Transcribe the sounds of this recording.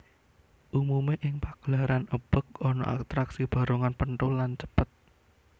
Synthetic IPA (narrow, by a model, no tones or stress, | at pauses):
ʔumumeʔɪŋpaɡ̥laɾanəb̥ə̤k̚ɔnɔ̰ʔa̰t̪ɾaksib̥ä̤ɾoŋanpənt̪ulant͡ʃəpət̪̚